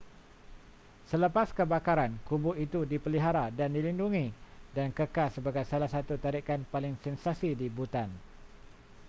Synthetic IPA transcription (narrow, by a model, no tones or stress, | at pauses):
sələpaskəbakaɾankubʊʔit̪udipəliɦaɾadandilinduŋĩdankəkasːəbaɡajsalahsat̪ut̪aɾikanpalɪŋsɛnsasidibut̪an